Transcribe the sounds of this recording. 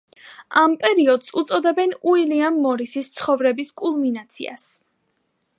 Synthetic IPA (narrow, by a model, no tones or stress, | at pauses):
ampʼɛɾiɔd̪sut̪sʼɔd̪ɛbɛnuiliamːɔɾisist̪sʰχɔvɾɛbiskʼulˠminat̪sʰḭa̰s